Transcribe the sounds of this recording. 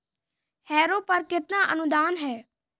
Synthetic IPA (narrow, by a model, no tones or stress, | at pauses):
hɛːɾoːpəɾkɪt̪naːʔənʊd̪aːnɦɛː